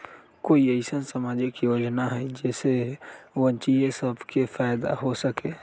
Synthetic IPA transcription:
koːiəɪsənsəmaːd͡ʒekijoːd͡ʒnaɦɛd͡ʒɛːseʋənt͡ʃiesəbʱkefʰaːjd̪a̰ɦosəkeː

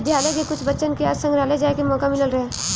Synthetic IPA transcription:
d̪ʱjaːlekekʊt͡ʃʰbɐtːʃənkeəsə̃ŋɡɾaːled͡ʒaːekemɔːkamɪləlɾɐɦeː

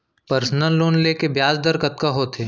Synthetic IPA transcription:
pəɾsnəlːoːnleːkebjaːzd̪əɾkɐt̪̚kaɦoːt̪ʰeː

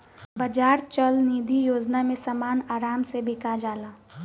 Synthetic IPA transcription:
bəd͡ʒaːɾt͡ʃəlniːd̪ʱijoːd͡ʒnamẽsəmaːnaːɾaːmsebʱɪkad͡ʒaːlaː

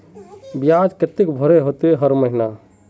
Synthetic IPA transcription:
bijad͡ʒket̪ikbʱəɾeɦot̪eɦəɾməɦina

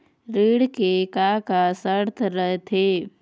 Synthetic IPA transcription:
ɾiːɽkekakasəɾt̪ʰɾəɦet̪ʰeː

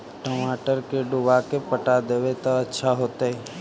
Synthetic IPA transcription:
ʈomaːʈəɾkeɖʊʋakepəʈad̪eʋet̪aətːʃʰaɦoːt̪aɦe

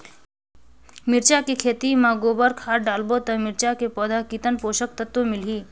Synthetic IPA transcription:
mɪɾt͡ʃakekʰeːt̪imãɡoːbəɾkʰaːʈɖaːlbot̪ɐmɪɾt͡ʃakepɔːd̪ʱakit̪ənpoːʃək̚t̪ət̪womɪlɦiː

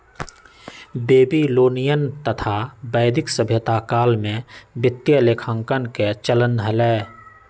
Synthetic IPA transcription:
beːbiloːnijənt̪ət̪ʰabəːɪd̪ɪksəbʱjət̪akaːlmẽbɪt̪jəleːkʰə̃ŋkənket͡ʃələnd̪ɦəlɛː

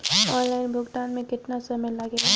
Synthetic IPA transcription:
ɔːnlaːɪnbʱʊɡʈ̪aːnmẽkɪt̪nasɐmelaɡeɦɛ

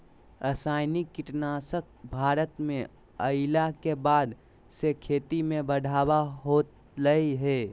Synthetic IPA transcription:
ɾəsaːɪnikːɪʈnasək̚ʰbʱaːɾət̪mẽ | əɪlakebaːd̪ | sekʰeːt̪imẽbəɖʱaːbaɦoːt̪ | ləiɦɛ

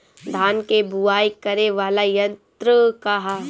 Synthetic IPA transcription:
d̪ʱaːnkebuaːikɐɾeʋaːlajɐ̃nt̪ɾəkaɦa

